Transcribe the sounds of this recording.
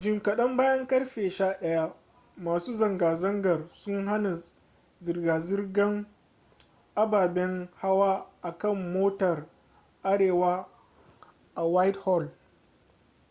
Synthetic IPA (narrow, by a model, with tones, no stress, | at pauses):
d͡ʒɪ˨ŋkɐ˨ɗɐ˦mbaː˦jɐ˦ŋkɐ˦ɽɸeː˨ʃaː˦ɗɐ˦ja˦ | maː˨suː˦zɐ˨ŋɡaː˨zɐ˦ŋɡɐ˨rsʊ˦ŋɦa˦na˨ | zɪ˨rɡaː˨zɪ˦rɡɐ˦ŋ | ʔa˦baː˨bɛ˦ŋha˦waː˦ʔa˨kɐ˦˨mːoː˦tɐ˨r | ʔa˦ɽeː˨waː˦ | ʔa˨wa˦jthɔ˦˨l